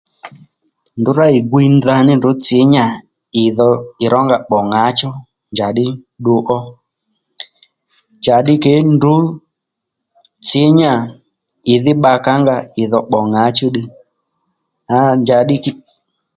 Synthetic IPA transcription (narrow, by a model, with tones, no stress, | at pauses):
ndu˨˦ɾa˦i˨ɡwi˧nda˧nɪ˦ndʊ˨˦t͡sɪ˨˦ɲa˨ | ɪ˨ðɔ˧ɪ˨ɾɔ˦ŋɡa˨ɓɔ˨ŋa˨˦t͡ʃɔ˦ | nd͡ʒa˨ɗɪ˦ | ɗu˦ʔɔ˦ | ɲd͡ʒa˨ɗɪ˦ke˨˦ndu˨˦ | t͡sɪ˨˦ɲa˨ | ɪ˨ðɪ˦ɓa˧ka˦ŋɡa˧ɪ˨ðɔ˨ɓɔ˨ŋa˨˦t͡ʃɔ˦ɗi˧ | a˨˦ɲd͡ʒa˨ɗɪ˦k